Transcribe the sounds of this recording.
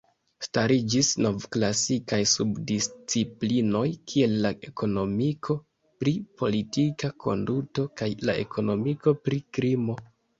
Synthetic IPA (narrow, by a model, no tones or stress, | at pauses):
staɾid͡ʒisno̞vklasikajsubdist͡siplino̞jkʰie̞lːaʔe̞ko̞no̞mikʰo̞ | pɾipʰo̞litikakʰo̞̰nduto̞kajla̰e̞̰kʰo̞no̞miko̞pɾikɾimo̞